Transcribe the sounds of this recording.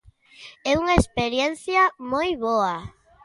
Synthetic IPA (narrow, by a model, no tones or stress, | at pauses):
ɛuŋaespeɾjenθjɐmojβoɐ